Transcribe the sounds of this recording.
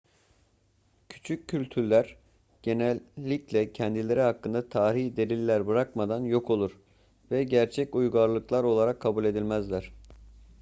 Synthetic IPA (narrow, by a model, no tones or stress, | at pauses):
cʰy̥t͡ʃʰycʰːylʲt̪ʰyɾlʲæɾ | ɟ̥e̞nælʲːiclʲɛcʰɛnd̪ilʲe̞ɾiɦakːɯnd̪at̪ʰaːɾiçd̪e̞lʲilʲːæɾbɯɾakmad̪anjo̞kʰo̞lˠuɾ̥ | vɛɟæɾt͡ʃʰɛcujɡaɾlˠɯklˠaɾo̞lˠaɾakʰːabulʲe̞d̪ilʲmæzlʲæɾ̝̥